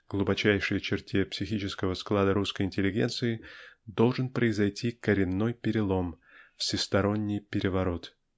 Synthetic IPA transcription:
ɡ̥lˠʊbɐt͡ɕæjʂɨjət͡ɕɪrtʲepsʲɪxʲit͡ɕɪskəvəsklˠad̪əɾuskəjɪnʲtʲɪlʲːɪɡʲḛnt̪sɨɪd̪o̞lˠʐɨnpɾəɪzɐjtʲikəɾʲɪnːo̞jpʲɪɾʲɪlˠo̞m | fsʲɪst̪ɐɾo̞nʲːɪjpʲɪɾʲɪvɐɾo̞t̪

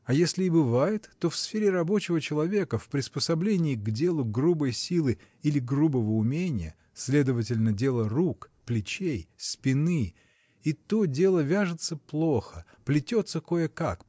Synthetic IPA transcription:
ɐjesʲlʲɪːbɨvajɪt̪ːo̞fsfʲeɾʲɪrɐbo̞t͡ɕɪvət͡ɕɪlˠɐvʲe̞kəfpɾʲɪspəsɐblʲenʲɪːɡdʲe̞lˠʊɡrubəjsʲilˠɨ | ilʲɪɡrubəvəʊmʲenʲɪjə̰ | sʲlʲe̞d̪əvətʲɪlʲnədʲe̞lˠərukplʲɪt͡ɕejspʲɪnɨ | it̪odʲe̞lˠəvʲaʐɨt̪səplˠo̞xə | plʲɪtʲo̞t̪səko̞jəkak

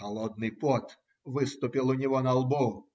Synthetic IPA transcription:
ɐlˠɔd̪̚nɨjpɔt̪ | vɨst̪ʊpʲilˠʊnʲɪvɔnɐalˠbɔm

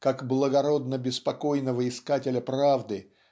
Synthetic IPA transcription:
kakblˠəɡɐɾo̞d̪nəbʲɪspɐko̞jnəvəɪskatʲɪlʲəpɾavd̪ɨ

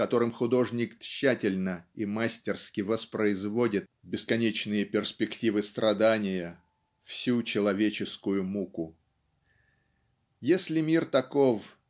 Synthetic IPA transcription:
kɐt̪o̞ɾɨmxʊd̪o̞ʐnʲɪkɕːætʲɪlʲnəimasʲtʲɪrskʲɪvəspɾəɪzvo̞dʲɪt̪̚bʲɪskɐnʲet͡ɕnɨjəpʲɪrspʲɪktʲivɨst̪ɾɐd̪anʲɪjə | fsʲut͡ɕɪlˠɐvʲet͡ɕɪskʊjʊmukʊ | jesʲlʲɪmʲirt̪ɐko̞f

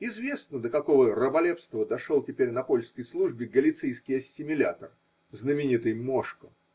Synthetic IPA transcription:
ɪzvʲe̞snəd̪əkɐko̞vərəbɐlʲepst̪vəd̪ɐʂolˠtʲɪpʲeɾʲnɐpo̞lʲskəjslˠuʐbʲɪɡəlʲɪt̪sejskʲɪjɐsʲːɪmʲɪlʲa̰t̪ər | znəmʲɪnʲit̪ɨjmoʂkə

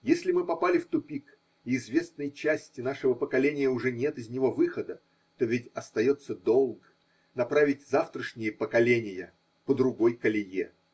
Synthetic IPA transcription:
jesʲlʲɪmɨpɐpalʲɪft̪ʊpʲik | ɪːzvʲe̞snɨjt͡ɕæsʲtʲɪn̪aʂɨvəpəkɐlʲenʲɪjəʊʐɛnʲet̪ɨzʲnʲɪvo̞vɨxəd̪ə | t̪o̞vʲɪtʲɐst̪ɐjo̞t̪səd̪o̞lˠk | nɐpɾavʲɪtʲzaft̪ɾəʂnʲɪjəpəkɐlʲenʲɪjə | pəd̪ɾʊɡo̞jkəlʲɪjḛ

